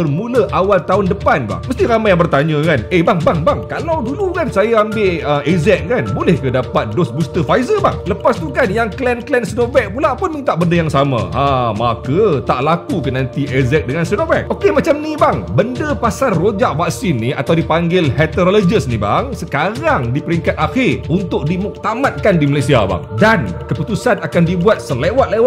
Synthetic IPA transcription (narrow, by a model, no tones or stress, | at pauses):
bərmũləʔawalt̪aɦʊndəpanba̰ŋməst̪iɾamajaŋbərt̪aɲãkanebaŋbaŋbaŋkalawdulukansajaambɪʔəmɛzɛk̚kanbolɛhkadapat̪̚dosbust̪əfajzəba̰ŋləpast̪ukanjaŋklɛnklɛnsnovɛk̚pulapʊnmĩnt̪aʔbəndəjaŋsamã̰amakət̪aʔlakukənãnt̪iʔɛzɛk̚dəŋansnovɛk̚ʔokemat͡ʃamnibaŋbəndəpasarːod͡ʒaʔfak̚sɪnːiat̪awdipaŋɡɪlhɛt̪əɾolod͡ʒəsniba̰ŋsəkaɾaŋdipəɾiŋkat̪̚axɪrunt̪ʊk̚dimuk̚t̪amat̪̚kandimalajsiaba̰ŋdankəput̪usanakandibuat̪̚səlewat̪̚lewa